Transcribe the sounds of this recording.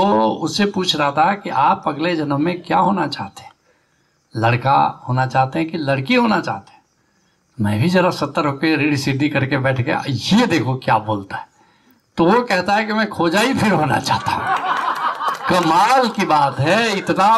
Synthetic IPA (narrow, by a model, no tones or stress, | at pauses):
oʊsːepuːt͡ʃʰɾaɦat̪aɦɛkiʔaːpɐɡled͡ʒɐnmẽkjaːɦoːnat͡ʃaːɦt̪e̥ɦɛ̃ | lɐɽka̰ɦoːnat͡ʃaːɦt̪eɦɛ̃kilɐɽkiɦoːnat͡ʃa̰ːɦt̪e̥ɦɛ̃ | mɛ̃ːbʱizɐɾasɐt̪ːəɾɦoːkeɾeːɽisɪɖːikɐɾkebɛːʈʰɡḛjed̪eːkʰokja̰ːboːlt̪aɦɛ | t̪oʋokɛɦt̪aɦɛkimɛ̃kʰoːd͡ʒaːipʰɪɾɦoːna̰t͡ʃa̰ːɦt̪aɦũ | kɐmaːlkibaːt̪ɦɛɪt̪na